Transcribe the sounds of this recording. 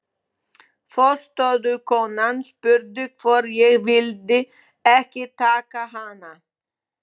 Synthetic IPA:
fɔst̪œðʏkʰɔːnanspʏɾðʏkʰvɔɾjɛɣvɪlt̪ɪ | ɛhcɪt̪ʰaːkaɦana

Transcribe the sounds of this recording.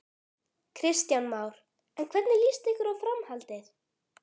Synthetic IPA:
kʰɾɪst̪janmaːwɾ̥ | ɛnkʰvɛt̪nɪliːst̪ɪhkʏɾawfɾamhalt̪ɪɾ̥

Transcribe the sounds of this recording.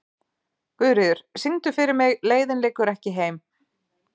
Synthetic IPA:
kvʏðɾɪðʏɾ̥siŋt̪ʏfɪɾɪɾmɪɣleːjðɪnleːkʏɾɛhcɪɦeːjm

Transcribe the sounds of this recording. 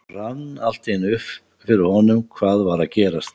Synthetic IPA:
r̥anːal̥t̪enʏf | fɪɾɪɾhɔnʏmkʰvaːðvaɾaðcɛːɾast̪

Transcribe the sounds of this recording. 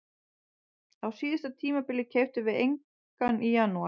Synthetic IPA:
θawsiːðɪst̪at̪ʰiːmapɪlːɪcʰeːɥwft̪ʏvɪðejŋ | kanʔijanːua

